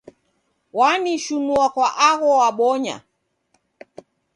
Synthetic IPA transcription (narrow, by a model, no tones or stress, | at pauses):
waniʃunuakwaʔaɣɔwaɓɔɲa̰